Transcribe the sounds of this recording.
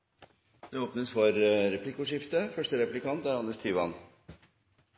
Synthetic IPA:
d̪̥ɛoːpnəsfɔɾɾɛpʰlɪkʊʂɪft̪əfœʂʈəɾɛplɪkɑnt̪æɾɑnːəʂt̪ʰyːʋɑn

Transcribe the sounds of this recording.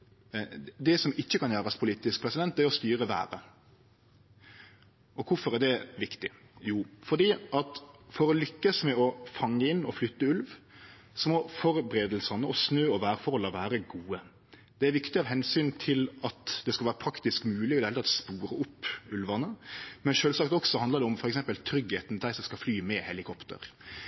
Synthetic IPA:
d̪ɛsɔmɪçːəkɑnjæːɾɑspʰʊliːt̪ɪsk̚pʰɾɛsɪd̪ɛnt̪d̪æɾɔst̪yːɾəʋæ̰ːɾə | ʔɔkʰʊfɔɾædɛʋɪkt̪ɪ | juːfɔd̪iːʔɑt̪fɔɾɔlʏkːəsmɛɔfɑŋːəɪnːɔflʏt̪ːəʉlʋ | sɔmɔfɔɾbɾeːd̪əlsɑnəɔsnøːɔʋæːɾfɔhɔlːɑʋæːɾəɡuːə | d̪̥ɛæɾʋɪkt̪ɪɑːʋɦɛnsyːnt̪ʰɪlɑt̪d̪̥ɛskɑlʋæːɾəpʰɾɑkt̪ɪskmʉːlɪɔd̪ɛɛləɑt̪spuːɾəʊpːʉlʋɑnəmɛnʃøːlsɑkt̪ɔksɔhɑnd̪əd̪ɛʊmfɔɾɛksɛmpəlt̪ʰɾʏɡheːt̪nd̪æɪsɔmskɑflyːmɛhɛlɪkʰɔpt̪ə̰ɾ

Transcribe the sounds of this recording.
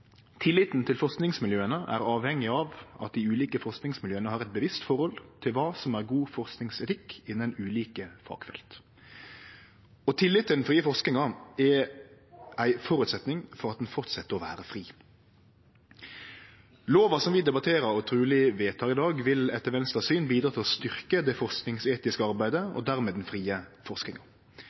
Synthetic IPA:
t̪ʰɪlːɪt̪nt̪ʰɪlfɔʁsknɪŋsmɪljøːənəʔæ̰ːʁɑːʋhɛŋːɪɑːʋɑ̰t̪̚d̪iːʉːliːkəfɔʁsknɪŋsmɪljøːənəhɑːʁɛt̪̚bəʋɪst̪fɔʁhɔlt̪ʰɪlʋɑːsɔmæːʁɡuːfɔʁsknɪŋsɛt̪ʰɪkːɪnːənʉːliːkəfɑ̰ːɡ̥fɛ̰lt̪ | ɔt̪ʰɪlːɪt̪ːənfʁiːəfɔʁsknɪŋɑɛ | ʔæɪfɔɾʉt̪sɛt̪nɪŋfɔʁɑt̪̚d̪ɛnfɔʁt̪sɛt̪ːəʁɔʋæ̰ːɾəfʁiː | loːʋɑsɔmʋɪd̪ɛbɑt̪ʰeːɾəɾɔt̪ʰʁʉːlɪʋeːt̪ʰɑːʁɪd̪ɑːɡʋɪlɛt̪ːəʋɛnst̪ɑsyːnbiːd̪ɾʁɑːt̪ɪlɔst̪ʏʁkəd̪ɛfɔʁsknɪŋseːt̪ɪskəɑʁbæɪd̪əɔ̰d̪æʁmeːd̪ɛnfʁiːəfɔʁsknɪŋɑ

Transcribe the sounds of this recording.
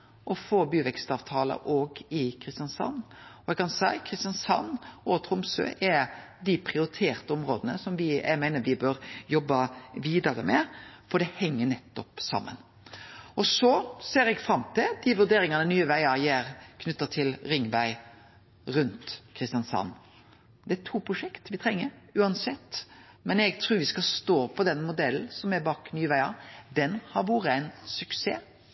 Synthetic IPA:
ʔɔfoːbyːʋɛkst̪ɑːʋt̪ʰɑːlə̰ʔoːɡɪkʰɾɪst̪jɑnsɑ̰nːɔɛɡ̚kɑnsæɪkʰɾɪst̪jɑnsɑ̰nːoːt̪ʰɾʊmsø̰ːʔɛ | d̪ɪpʰɾɪʊɾɪt̪ʰeːɾt̪əɔmɾoːd̪ənə̰sɔmʋɪæ̰ɪmæɪnəɾʋɪbøɾjɔbːɑʋiːd̪ɑɾə̰mɛfɔd̪ɛhɛŋːənɛt̪ːɔpsɑ̰mːə̰n | ɔsɔseːɾɛɡfɾɑmt̪ʰɪld̪ɪʋʉɾd̪eːɾɪŋɑnənyːəʋæɪɑjeːɾkʰnʉt̪ːɑt̪ʰɪlɾɪŋʋæɪ | ɾʉnt̪kʰɾɪst̪ɪjɑnsɑ̰nː | d̪ɛæt̪ʰuːpʰɾʊʂɛkt̪ʋɪt̪ʰɾɛŋːəɾʉːɑnsɛt̪ː | mɛnɛɡt̪ʰɾʉːɾʋɪskɑlst̪oːpʰɔd̪ɛnmʊd̪ɛln̩sɔmæɾbɑːknyːəʋæɪɑd̪ɛnhɑɾʋuːɾəæɪnsʉkseː

